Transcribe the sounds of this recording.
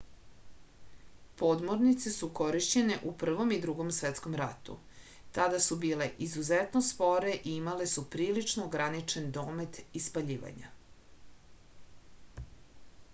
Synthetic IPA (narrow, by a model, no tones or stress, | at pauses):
po̞d̪mo̞ɾnit̪se̞suko̞ɾiʃt͡ɕe̞ne̞ʔupr̩ʋo̞mid̪ɾuɡo̞msʋet̪sko̞mɾat̪ṵ | t̪ad̪asubiːle̞ʔizuzet̪nospo̞ɾe̞ʔiimale̞supɾiːlit͡ʃnoːɡɾanit͡ʃe̞nd̪o̞ːme̞t̪ispaʎiːʋa̰ɲa̰